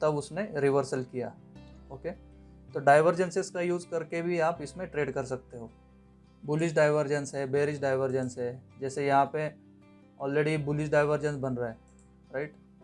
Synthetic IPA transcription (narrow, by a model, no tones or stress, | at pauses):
t̪ɐbʊsneɾɪʋəɾsəlkija̰ː | oːke | t̪oːɖaːɪʋəɾd͡ʒə̃nsɪskajuːzkɐɾkebʱiaːpɪsmẽʈɾeːɖkɐɾsɐk̚t̪eɦoː | bʊlɪʃɖaːɪʋəɾd͡ʒə̃nsɦɛbeːɾɪʃɖaːɪʋəɾd͡ʒə̃nsɦɛd͡ʒɛːsejɐɦãpe | ɔːlɾeːɖibʊlɪʃɖaːɪʋəɾd͡ʒə̃nsbɐnɾaɦɛ | ɾaɪʈ